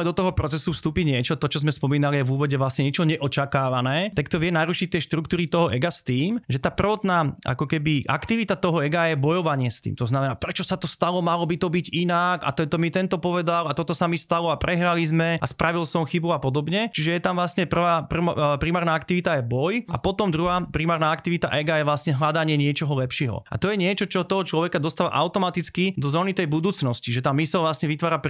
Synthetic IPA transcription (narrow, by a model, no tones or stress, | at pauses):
ɛd̪ɔt̪ɔɦɔpɾɔt͡sɛsufst̪uːpiɲɪɛt͡ʃɔt̪ɔt͡ʃɔzmɛspɔmiːnalijɛvuːʋɔɟɛʋlasɲɛɲɛt͡ʃɔɲɛʔɔt͡ʃakaːʋanɛːt̪akt̪ɔʋɪɛnaɾuʃic̚t̪ɪɛʃt̪ɾukt̪uːɾit̪ɔɦɔʔɛɡast̪iːmʒɛt̪aːpr̩ʋɔt̪naːa̰kɔkɛbiʔa̰kt̪iʋit̪at̪ɔɦɔɛɡajɛbɔjɔʋaɲɪɛst̪ḭːmt̪ɔznamɛnaːpɾɛt͡ʃɔsat̪ɔst̪alɔmalɔbit̪ɔbiɟinaka̰t̪ɔɛt̪ɔmit̪ɛnt̪ɔpɔʋɛd̪alat̪ɔt̪ɔsamist̪alɔapɾɛɦɾalizmɛʔaspɾaʋilsɔmxibuapɔd̪ɔbɲɛt͡ʃiʒɛjɛt̪amʋlasɲɛpr̩ʋaːpr̩pɾimaːɾnaakt̪iʋit̪ajɛbɔja̰pɔt̪ɔmd̪ɾuɦaːpɾimaːɾnaːakt̪iʋit̪a̰ʔɛɡajɛʋlasɲɛɦlad̪aɲɪɛɲɪɛt͡ʃɔɦɔlɛpʃɪɛɦɔ̰a̰t̪ɔjɛɲɪɛt͡ʃɔt͡ʃɔt̪ɔɦɔt͡ʃlɔʋɛkad̪ɔst̪aʋa̰ʔa̰ʊwt̪ɔmat̪it͡skid̪ɔzɔːnit̪ɛjbud̪uːt͡snɔsciʒɛt̪aːmːisɛlʋlasɲɛʋit̪ʋaːɾap